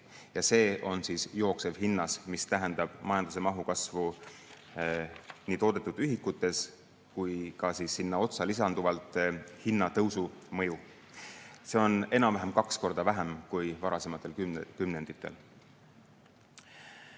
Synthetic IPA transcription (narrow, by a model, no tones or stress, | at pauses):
jɑse̞ːʔo̞nsiːsjo̞ːkse̞vɦinːɑsmist̪æɦe̞nd̪̥ɑb̥mɑjɑnd̪̥use̞mɑɦukɑsvu | niːt̪o̞ːd̪e̞t̪ːˑud̪̥yɦikːˑut̪ːˑe̞s | kujkɑsiːsːinːɑo̞t̪sɑlis̬ɑnd̪̥uvɑlt̪ːˑhinːɑt̪ɤwsumɤ̞ju | se̞o̞ne̞nɑmvæɦemkɑksko̞rd̪̥ɑvæɦemkujvɑɾɑse̞mɑt̪ˑːe̞lkykymne̞nd̪̥it̪ːˑe̞̰l